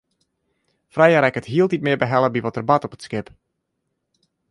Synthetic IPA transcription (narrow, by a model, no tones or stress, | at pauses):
frɛjaɾɛkətɦiəlˠtit̚mɪəbəɦɛlˠəbiʋɔtərbatɔpətskɪp